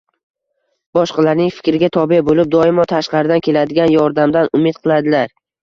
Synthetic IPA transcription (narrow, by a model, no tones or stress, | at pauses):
b̥ɒʃqɑlaɾnɪŋfɪ̥kʲɾɪɡʲat̪ʰɒbebolɪp̚d̪ɒɪmɒt̪ʰaʃqɑɾɪd̪ankʲʰe̞lad̪ɪɡʲanjɒɾd̪amd̪anʊmɪt̪̚qʰɨlˠad̪ɪlaɾ